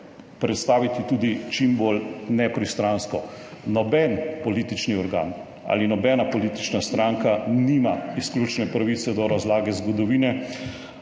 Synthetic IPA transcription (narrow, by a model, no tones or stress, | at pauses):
pɾɛt̪st̪aːʋit̪it̪uːd̪it͡ʃimboːlnɛpɾist̪ɾanskɔ | nɔbɛnpɔliːt̪it͡ʃniɔɾɡa̰ːn | a̰linɔbɛːnapɔliːt̪i̥t͡ʃnast̪ɾaŋkaniːmaisklʲuːt͡ʃnɛpɾaʋit̪sɛd̪ɔɾazlaːɡɛzɡɔd̪ɔʋiːnɛ